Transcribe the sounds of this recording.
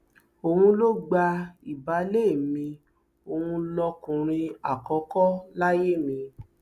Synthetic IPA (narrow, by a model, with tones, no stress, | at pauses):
o˧hũ˧lo˦ɡ͡ba˧i˨ba˨˦le˦˨mĩ˧ | o˧hũ˧lɔ˧kũ˨ɾ̃ĩ˧a˨kɔ˨˦kɔ˦la˦je˦˨mĩ˧